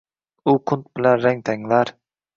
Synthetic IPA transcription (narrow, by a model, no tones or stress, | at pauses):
uqʰʊnt̪bɪlɛnɾɛŋt̪ʰɛŋlæɾ